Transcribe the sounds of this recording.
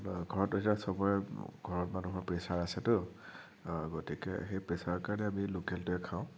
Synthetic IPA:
ɡʱɔɹɔtːoɦitasɔbɔjɛɡ̥ʱɔɹɔtmanuɦɔɹpɹesaɹasɛtʊ | ɡotikɛ̰xejpɹesaɹɔkaɹanɛamilukɛltʊɛkʰaʊ̃

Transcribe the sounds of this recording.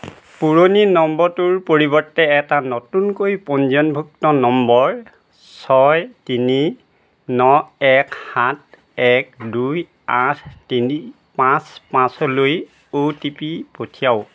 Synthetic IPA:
puɹoninɔmbɔtuɹpoɹibɔɹtːɛɛtanotunkoipɔnzɔnbʱuk̚tɔnɔmbɔɹ | sɔjtini | nɔɛkhat̚ʰ | ɛk̚duj | atʰtini | pãspãsɔloj | otipipotʰijaʊ

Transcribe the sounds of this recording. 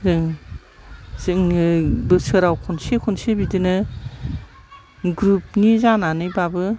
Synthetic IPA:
zɯŋ | sɯŋɯbɯsɯɾawkʰɔnsekʰɔnsebidɯnɯ | ɡɾup̚nizananɯjbabɯ

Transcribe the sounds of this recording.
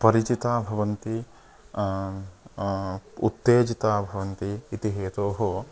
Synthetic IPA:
pɐɾit͡ʃit̪aːbʱɐʋɐnt̪i | ṵt̪ːeːd͡ʒit̪aːbʱɐʋɐnt̪iːt̪iɦeːt̪oːɦo

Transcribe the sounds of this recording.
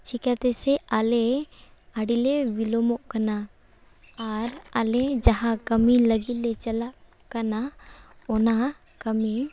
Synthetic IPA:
t͡ʃikat̪eseale | aɽileʋilomoʔkɐna | aɾaled͡ʒɐɦãkəmiləɡilet͡ʃəla | kɐnaona | kəmi

